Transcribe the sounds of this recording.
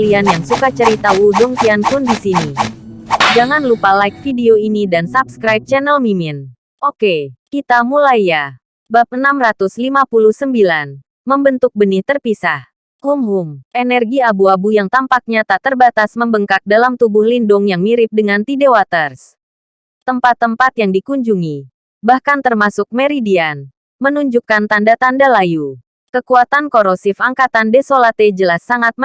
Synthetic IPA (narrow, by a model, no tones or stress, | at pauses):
lianjaŋsukat͡ʃəɾit̪awudɔŋt̪iankʊndisini | d͡ʒaŋanlupalajk̚fideoinidansap̚skɾajp̚t͡ʃɛnɛlmimin | ʔokekit̪amulaja | bap̚ənamrat̪uslimapuluhsəmbilan | məmbənt̪ʊk̚bəniht̪ərpisah | kumɦumɛnɛrɡiabuabujaŋt̪ampak̚ɲat̪at̪ərbat̪asməmbəŋkak̚dalamt̪ubʊhlindʊŋjaŋmiɾɪp̚dəŋant̪idewat̪ərs | t̪əmpat̪ːəmpat̪jaŋdikuɲd͡ʒuŋi | bahkant̪ərmasʊk̚meɾidian | mənuɲd͡ʒukant̪andat̪andalaju | kəkuat̪ankoɾosifaŋkat̪andɛsolat̪ed͡ʒəlasːaŋat̪̚